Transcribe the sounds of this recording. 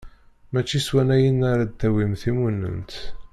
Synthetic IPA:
mæt͡ʃːiswænæjənːaɾad̪æwimθimunːə̰nt̪

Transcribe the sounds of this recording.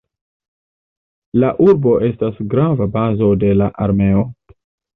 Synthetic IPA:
laʔuɾbo̞ʔe̞stasɡɾavabazo̞de̞laʔaɾme̞o̞

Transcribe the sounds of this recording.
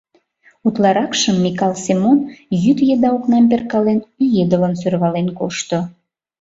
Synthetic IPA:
ut̪lɑɾɑkʃəmːikɑlsemonjyt̪jed̪ɑoknɑmperkɑlenyjed̪ələnsørβɑlenkoʃt̪o

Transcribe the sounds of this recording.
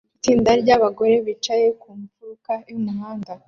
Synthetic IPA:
itiːndaɾɟaβaɡo̞ɾe̞βit͡ʃaje̞kumfuɾukajumuɦaːnda

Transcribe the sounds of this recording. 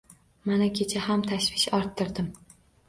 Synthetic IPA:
manakʲʰe̞t͡ʃʰahamt̪ʰaʃvɪʃɒɾt̪ʰːɪɾd̪ɪm

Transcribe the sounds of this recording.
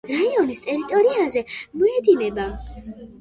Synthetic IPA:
ɾaiɔnist̪ʼɛɾit̪ʼɔɾiazɛmɔɛd̪inɛba

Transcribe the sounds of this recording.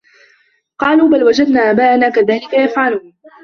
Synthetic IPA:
qɑːluːbalwad͡ʒad̪naːʔabaːʔanaːkaðaːlɪkajafʕaluːn

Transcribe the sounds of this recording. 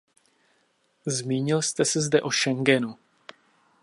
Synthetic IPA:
zmiːɲɪlst̪ɛsɛzdɛʔo̞ʃɛŋɡɛnu

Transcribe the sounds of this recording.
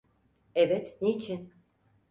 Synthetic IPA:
ɛbɛt̪neit͡ʃʰin

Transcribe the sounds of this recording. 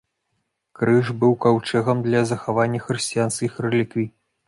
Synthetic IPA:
kɾɨʐbɨwkawt͡ʂɛɣɐmd̪lʲɐzɐxavanʲːɐxɾɨsʲt͡sʲijanskʲixrɛlʲikvʲi

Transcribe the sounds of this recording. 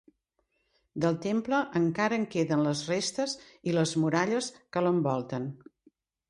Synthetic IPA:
d̪əlˠt̪empləʔəŋkaɾəŋkeðənləzrest̪əziləzmuɾaʎəskələmbɔlˠt̪ən

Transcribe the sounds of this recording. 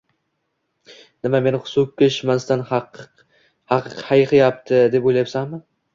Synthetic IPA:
nɪmame̞nɪχʊ̥sokʲʰːeʃmast̪anq | hɑqɨqhajqʰɪjap̚t̪ʰɪd̪e̞pojlajapsanmɪ

